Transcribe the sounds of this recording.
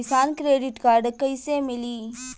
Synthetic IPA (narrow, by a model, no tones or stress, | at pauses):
ɪsaːnkɾeːɖɪʈkaːɾɖkɐisemɪliː